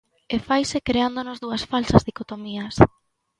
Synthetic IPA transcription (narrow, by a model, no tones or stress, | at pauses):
efajsekɾeand̪onozðuɐsfalsɐzðikot̪omiɐs